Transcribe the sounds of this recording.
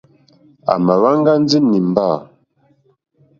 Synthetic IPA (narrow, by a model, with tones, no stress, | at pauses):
a̰˨ma˨wa˦ŋɡa˦n˦d͡zi˦ni˨m˨ba˦˨